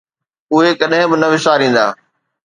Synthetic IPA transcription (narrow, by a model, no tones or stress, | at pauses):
ʊɦekɐɗɦɪ̃bɪnɐʋɪʃaːɾĩːn̆d̪a̰ː